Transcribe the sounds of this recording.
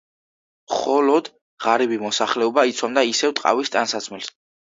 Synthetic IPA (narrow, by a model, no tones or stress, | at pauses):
mχɔlɔd̪̥ | ʁaɾɛbimɔsaχlɛɔbait̪sʰwamd̪aisɛvt̪ʼqʼa̰vist̪ʼansat̪sʰmɛls